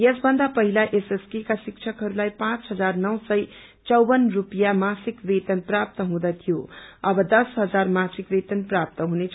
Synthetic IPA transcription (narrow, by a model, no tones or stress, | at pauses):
jesbʱʌnd̪apʌɦilaʔeseskikasik̚t͡ʃʰʌkɦʌɾulajpãt͡sɦʌd͡zarnʌwsʌj | t͡sʌwbʌnrupjamasikret̪ʌnprap̚t̪ʌɦũd̪ʌt̪ʰijoʌbʌd̪ʌsɦʌd͡zarmãsikret̪ʌnprap̚t̪ʌɦũnet͡sʰ